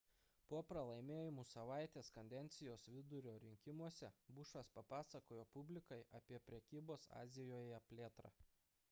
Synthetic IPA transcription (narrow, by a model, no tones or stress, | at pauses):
puɔpɾɐlˠɐɪmʲeːjɪmuːsɐʋɑˑɪt̪ʲeːskɐnʲd̪ʲɛnʲt̪sʲɪjoːsʋʲɪd̪ʊɾʲoːɾʲɪŋʲkʲɪmuɔsʲɛbʊʃʋɐspɐpɑːsɐkoːjoːpʊbʲlʲɪkɐɪʔɐpʲiɛpʲɾʲɛkʲiːboːsɑ̰ːzʲɪjoːjɛpʲlʲeːt̪ɾɑ̰ː